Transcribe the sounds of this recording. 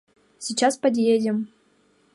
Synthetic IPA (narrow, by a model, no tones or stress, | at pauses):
sʲit͡ɕaspɐd̪ʲjedʲɪm